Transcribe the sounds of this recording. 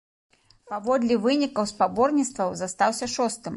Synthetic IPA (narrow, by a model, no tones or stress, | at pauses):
pavɔd̪lʲivɨnʲikɐwspabɔrnʲit̪st̪vɐwzast̪awsʲɐʂɔst̪ɨm